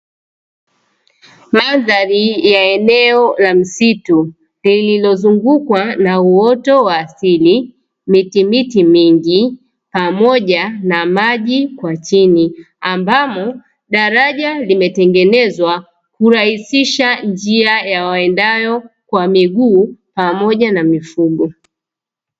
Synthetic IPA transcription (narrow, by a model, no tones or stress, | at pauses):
maðaɾijaɛnɛɔlam̩situ | lililɔzuŋɡukwanauɔtɔwaːsili | mitimitimiŋɡi | pamɔʄanamaʄikwat͡ʃini | ambamɔ | ɗaɾaʄalimɛtɛŋɡɛnɛzwa | kuɾahisiʃand͡ʒiajawaɛndajɔkwamiɠuːpamɔʄanamifuɡɔ